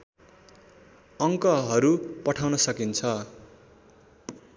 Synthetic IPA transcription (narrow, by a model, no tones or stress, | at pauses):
ʌŋkʌɦʌɾupʌʈʰawnʌsʌkint͡sʰʌ